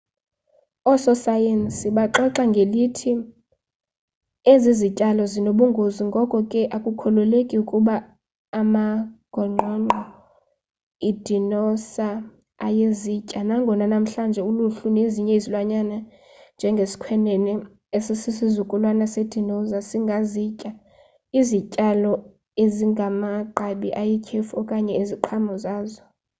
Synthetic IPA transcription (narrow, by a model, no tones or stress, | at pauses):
ɔsɔsajensiɓaǃɔǁaŋɡʱelitʰi | ezizicʼalɔzinoɓuŋɡʱoziŋɡʱɔkʼɔkʼɛʔakʼukʰɔlɔlekʼiukʼuɓaː | maɡ̥ʱɔŋ͡ǃʱɔŋ͡ǃʱɔ | id̥ʱinɔsa | ajezicʼanaŋɡʱɔnanam̩ɬand͡ʒʱɛuluɬuneziɲɛizilwaɲana | nd͡ʒʱɛŋɡʱesi̥kʰwɛnɛnɛ | esisisizukʼulwanased̥ʱinɔzasiŋɡʱazicʼa | izicʼalɔ | eziŋɡʱamaǃaɓiʔajikʰefɔkʼaɲɛiziǃʰamɔzaːzɔ